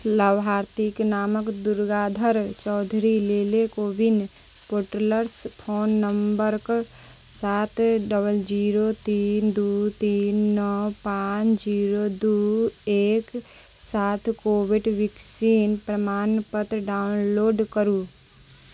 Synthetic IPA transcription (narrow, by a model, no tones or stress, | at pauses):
ləbɦaːɾt̪iknaːməkd̪uɾɡaːd̪ʱəɾt͡ʃɔːd̪ʱɾileːlekoːbin | poːʈləɾspʰoːnːəmbəɾk | saːt̪ʰɖəbəld͡ʒiːɾot̪iːnd̪ut̪iːnːɔpãt͡ʃd͡ʒiːɾod̪ueːk | saːt̪ʰkoːbiɖʋɪksiːnpɾəmaːnpət̪ɾɖaːʊnloːɖkəɾu